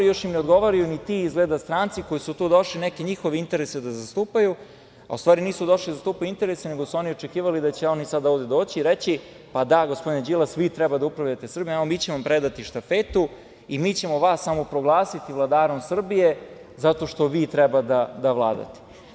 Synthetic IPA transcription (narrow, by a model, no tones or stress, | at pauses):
ijo̞ʃjimneod̪ɡo̞ʋoɾijunit̪iizɡled̪ast̪ɾaːnt̪siko̞jisut̪uːd̪o̞ʃlinekeɲixo̞ʋeint̪e̞ɾesed̪azast̪uːpaju | a̰ust̪ʋaːɾiniːsud̪o̞ʃlid̪zast̪uːpajuint̪e̞ɾeseneɡosuo̞nio̞t͡ʃekiːʋalid̪at͡ɕeo̞nisad̪aoːvd̪e̞d̪o̞ːt͡ɕiːɾet͡ɕi | pad̪aɡospd̪ined͡ʑilˠasʋit̪ɾɛbad̪aupɾaʋʎat̪esr̩bijaomiːt͡ɕeʋoampɾed̪at̪iʃt̪afet̪u | imiːt͡ɕe̞moʋaːsːamopɾoɡlˠaːsit̪iʋlˠad̪aːɾo̞msr̩bije̞ | zat̪o̞ʃt̪o̞ʋiːt̪ɾɛbad̪ad̪aʋlˠa̰ːd̪a̰t̪e̥